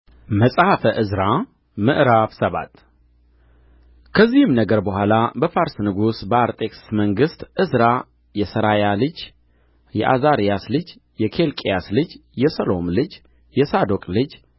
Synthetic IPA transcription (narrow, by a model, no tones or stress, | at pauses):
məsʼhafəʔɨzɾa | mɨʔɾaβsəβa̰t̪ʰ | kʰəzːihɨmnəɡəɾbəhʷalabəfaɾsnɨɡusbəaɾt̪ʼe̞kʼsməŋɡɨst̪ʔɨzɾa | jɛsəɾajalɨd͡ʒ | jɛ̰ʔa̰zaɾijaslɨd͡ʒ | jɛkʰe̞lkʼejaslɨd͡ʒjɛsəlo̞mlɨd͡ʒ | jɛsad̪o̞kʼlɨd͡ʒ